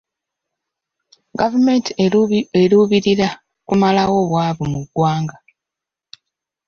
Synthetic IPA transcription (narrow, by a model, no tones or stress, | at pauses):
ɡavume̞ntieɾuβiɾiɾa | kumalawo̞βwaːβumuɡːwaːŋɡa